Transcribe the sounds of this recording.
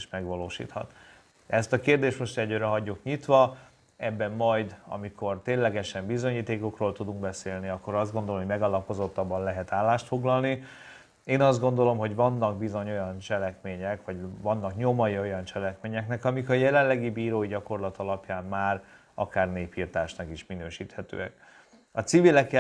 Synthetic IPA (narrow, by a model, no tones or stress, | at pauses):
ʃmɛɡʋɒloːʃḭːt̪hɒ̰t̪ | ɛst̪ɒkeːrd̪eːʃt̪mo̞ʃt̪ɛɟøːɾɛɦɒɟːukɲit̪ʋɒ | ɛbːɛmːɒjd̪ɒ̰mikʰo̞rt̪eːnlɛɡɛʃɛmbizo̞ɲiːt̪eːko̞kroːlt̪ud̪uŋɡbɛseːlniɒkːo̞ɾɒzd̪ɡond̪olomoɟmɛɡɒlɒpo̞zo̞t̪ːɒbːɒnlɛɦɛt̪aːlːaːʃt̪fo̞ɡlɒlni | eːnɒzd̪ɡo̞nd̪o̞lo̞mɦo̞ɟʋɒnːɒɡ̚bizo̞ɲo̞jɒnt͡ʃɛlɛkmeːɲɛkʋɒɟvɒnːɒkɲo̞mɒjio̞jɒnt͡ʃɛlɛkmeːɲɛknɛkɒmikɒjɛlɛlɛɡibiːɾoːiɟɒko̞rlɒt̪ɒlɒpjaːmmaːr | ɒ̰kaːrneːpiːrt̪aːʃnɒkiʃminøːʃiːt̪hɛt̪ø̰ːɛ̰k | ɒt̪sivilɛkːɛ